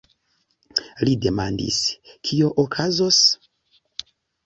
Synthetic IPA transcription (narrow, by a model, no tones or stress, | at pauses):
lide̞ma̰ndḭskʰio̞ʔokʰazos